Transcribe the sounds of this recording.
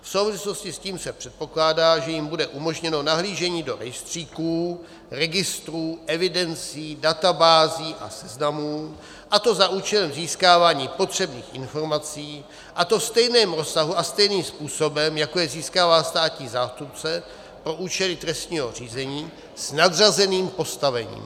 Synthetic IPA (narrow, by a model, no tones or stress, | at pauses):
fsowvɪslo̞scɪsciːmsɛpr̝̥ɛt̪̚po̞klaːdaːʒɛjɪmbudɛʔumo̞ʒɲɛno̞naɦliːʒɛɲiːdo̞ɾɛjst̪r̝̥iːkuː | ɾɛɡɪst̪ɾuːʔɛvɪdɛnt͡siːdat̪abaːziːʔa̰sɛznamuː | ʔat̪o̞zaʔuːt͡ʃɛlɛmziːskaːvaːɲiːpo̞t̪r̝̥ɛbniːxʔɪnfo̞ɾmat͡siː | ʔat̪o̞st̪ɛjnɛːmɾo̞saɦuʔast̪ɛjniːmspuːso̞bɛmjakojɛziːskaːvaːst̪aːciːzaːst̪up̚t͡sɛ | pɾo̞ʔuːt͡ʃɛlɪt̪ɾɛst̪ɲiːɦo̞r̝iːzɛɲiː | snad̪razɛniːmpo̞st̪avɛɲḭːm